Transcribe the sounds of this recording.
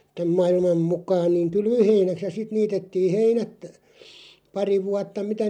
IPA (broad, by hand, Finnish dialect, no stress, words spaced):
tæm mɑilmɑm mukˑɑːn niːŋ̆ kylʋøheinæks jɑ sit niːtetːiːh̆ heinæt pɑri ʋuɑtːɑ mitæ